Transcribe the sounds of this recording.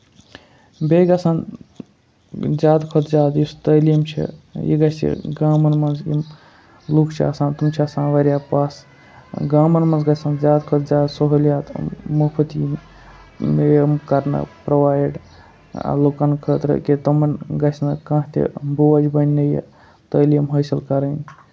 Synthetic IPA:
beɡɐsãːn | d͡ʒaːd̪kʰot̪d͡ʒaːd̪jist̪əlimt͡ʃʰḭjḭɡɐt͡ʃʰt̪ʰḭɡaːmɐnmɐnzjḭm | lukʰt͡ʃʰiɐ̰sãːnt̪umt͡ʃʰiɐsãːnʋɐɾʲjaːpaːs | ɡaːmɐnmɐnzɡɐsaːnd͡ʒaːd̪kʰot̪d͡ʒaːd̪soɦoljaːt̪mupʰɨt̪im | emkɐɾnɐ̰pɾoʋaːjɖ | a̰lokankʰət̪ɾə̰kit̪ɐmɐnɡɐt͡ʃʰnɐkãɦt̪ʰḭboʋɐd͡ʒbɐnʲːɐjḛ | t̪əjlijɐmɦɐjsɐlkɐɾənʲ

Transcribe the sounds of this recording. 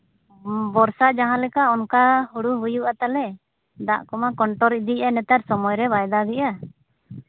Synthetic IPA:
bɔɾsaʔd͡ʒaɦãlɛkaʔɔnkahuɽuɦujuʔat̪alɛ | d̪a̰ʔkɔmakɔɳʈɔɾid̪ianɛt̪aɾsɔmɔjɾɛbajd̪aɡɛʔa

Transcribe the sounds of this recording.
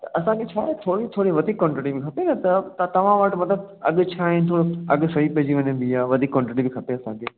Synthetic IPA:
t̪ɐʔɐsãkʰet͡ɕʰaːet̪ʰoːɾit̪ʰoːɽiʋɐd̪ʱiːkːɔ̃ːɳʈɾeʈibĩkʰɐpenɐt̪ɐt̪t̪ɐʋ̤ãʋəʈmɐt̪ləb̚ɐ̰ɠt͡ɕʰaːɦint̪ʰoːɽoɐ̰ɠsɐɦipɐɦd͡ʑiʋɐɲə̃b̪iaːʋɐd̪ʱiːkːɔ̃ːɳʈɾeʈibikʰɐpeɐsãːkʰeː

